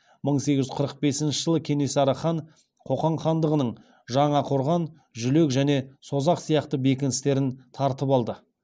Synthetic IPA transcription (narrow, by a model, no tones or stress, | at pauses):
məɴse̞ɡʲɪʒʏ̥qʰəɾəq̚be̞sɪnʃəʒəlˠəkʲʰe̞nesɑɾɑχɑɴ | qʰo̞qɑɴχɑnd̪əʁənəɴ | ʒɑɴɑqʰo̞ɾʁɑn | ʒʏle̞kʒæne̞so̞zɑqsijɑqt̪əbe̞kʲɪnɪst̪e̞ɾɪnt̪ʰɑɾt̪əpɑlˠd̪ə